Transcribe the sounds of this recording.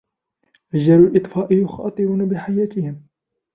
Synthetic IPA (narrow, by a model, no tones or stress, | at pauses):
ʔad͡ʒaɾulʔɨt̪ˤfɑːʔɪjʊxɑ̰ːt̪ˤɨɾuːnabɪħajaːt̪ɪhɪm